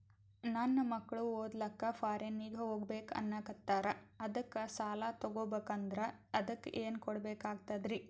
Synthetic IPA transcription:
nɐnːɐmɐkːɐɭuoːd̪lɐkːɐpʰaːɾenːiːɡʱɐɦoːɡbeːkɐ̰nːɐkɐt̪aːɾɐɐd̪ɐkːɐsaːlat̪ɐɡoːbeːkɐnd̪ɐɾɐ | ɐd̪ɐkːʔeːnkɔɽɐbeːkaːɡt̪ɐd̪ɾi

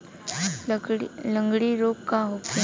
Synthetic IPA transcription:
ləŋɡɽiːɾokkaɦoke

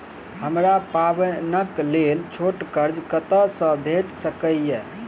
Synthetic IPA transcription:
həmɾapaʋənəklelt͡ʃʰoʈkəɾd͡ʒkət̪əsə̃bʱeʈsəkəje

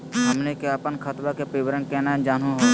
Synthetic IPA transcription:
ɦɐmnekeəpənkʰət̪bakepɾɪbɾə̃ŋkɛːnad͡ʒaːnuɦoː

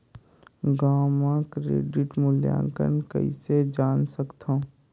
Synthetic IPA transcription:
ɡaːmãkɾḛːɖɪʈmʊljã̰ːŋkə̰nkə̰ḭsed͡ʒaːnsəkt̪ʰõː

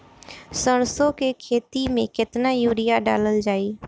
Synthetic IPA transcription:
səɽ̃sokekʰeːt̪imẽkɪt̪najuːɾɪjaɖa̰ːləld͡ʒaːiː

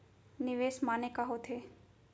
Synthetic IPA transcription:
nɪʋeːsmaːnekaɦot̪ʰeː

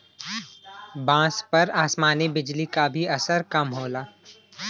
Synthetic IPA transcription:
bãːspɐɾaːsmaːnibɪd͡ʒlikabʱiɐsəɾkɐmɦoːlaː

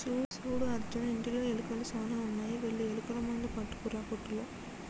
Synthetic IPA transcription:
suːɽsuːɽuɐɾd͡ʒɐɐiɳʈiloelukɐlusaːnɐːunːaːjiʋeɭːielukɐlɐmɐnd̪ipɐʈːu̥kuɾaːpoʈːuloː

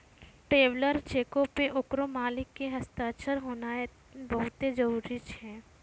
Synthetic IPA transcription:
ʈeːʋləɾt͡ʃeːkõpeʔʊkɾomaːlɪkːeɦɐst̪aːt͡ʃəɾɦoːnae | bɐɦʊt̪ed͡ʒɐɾuːɾit͡ʃɛː

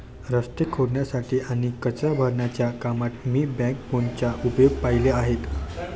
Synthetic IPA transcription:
ɾəst̪ekʰoɽɳjasaʈʰiːʔaɽ̃ikət͡sabʱəɾɳjat͡ɕjakamat̪miːbɛ̃k̚pont͡ɕaupjoɡ̚paileaɦet̪

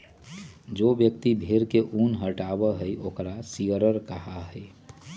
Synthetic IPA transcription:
d͡ʒoːbjək̚t̪ibʱeɾkeʔunɦəʈabəɦəiʔoːkɾasiəɾəɾkəɦaɦəi

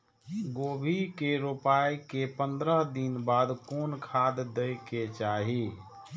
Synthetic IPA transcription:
ɡobʱikeɾopajkepənd̪ɾəɦd̪inbad̪konkʰad̪əjket͡ʃaɦi

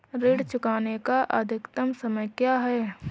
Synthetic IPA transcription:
ɾeːɽt͡ʃʊkaːnekaʔəd̪ʱɪkt̪əmsɐməjkjaːɦɛː

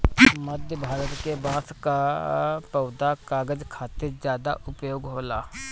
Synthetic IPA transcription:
məd̪ʱjəbʱaːɾət̪kebãːskapəːd̪akaːɡəd͡ʒkʰaːt̪ed͡ʒjaːd̪a̰ʔʊpjoːɡɦoːlaː

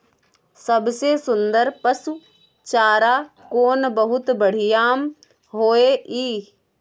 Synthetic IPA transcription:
sɐbsesʊnd̪əɾpəsu | t͡ʃaːɾakoːnbəɦʊt̪bəɽ̤ɪjaːm | ɦoːeʔiː

